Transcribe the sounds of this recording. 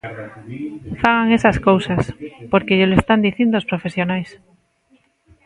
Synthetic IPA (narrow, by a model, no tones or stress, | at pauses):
faɣaŋesaskowsaspoɾkeʎelest̪and̪iθĩnd̪oospɾofesjonajs